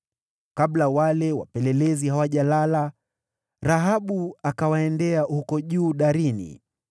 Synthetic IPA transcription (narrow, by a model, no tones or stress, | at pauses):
kablawalɛwa̰pɛlɛlɛziɦawaʄalala | ɾaɦaɓuakawaɛndɛahukɔʄuːɗaɾinḭ